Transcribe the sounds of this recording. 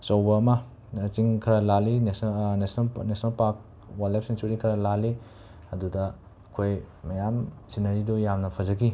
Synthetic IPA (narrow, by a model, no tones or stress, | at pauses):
sɐwbɐːmɐː | t͡ʃiŋkʰɐɾɐlalinsnesnɐlnesʰnɐlpak̚ | walajp̚sensuɾikʰɐɾɐlali | ɐdudɐ | kʰojmɐjamsinɐɾidojamnɐpʰɐzɐɡi